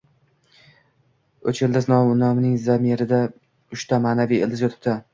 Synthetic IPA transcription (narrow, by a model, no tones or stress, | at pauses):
ɵt͡ʃʰeld̪ɪznɒwʊnɒmnɪŋzamiɾɪd̪a | ʊʃt̪ʰamaːnavijeld̪ɪzjɒt̪ʰɪ̥p̚t̪ʰɪ